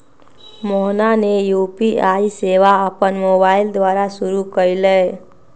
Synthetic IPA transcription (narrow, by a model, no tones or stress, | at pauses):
mɔɦnanejuːpiaiseʋaəpənmoːbaːɪld̪ʋaːɾasʊɾukəɾile